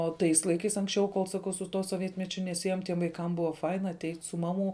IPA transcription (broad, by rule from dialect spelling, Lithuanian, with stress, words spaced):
oː ˈtɐɪs lˠɐɪˈkɐɪs ɐŋksʲˈt͡ʃʲɛʊ koːlˠ sɐˈkɐʊ sʊ ˈtuɔ soːˈʋʲiɛtʲmʲɛt͡ʃʲʊ nʲɛˈsʲiɛjoːm tʲiɛm ʋɐɪˈkɐm ˈbʊʋoː ˈfɐɪnɐ ɐˈtʲɛɪtʲ sʊ ˈmɑːˌmuː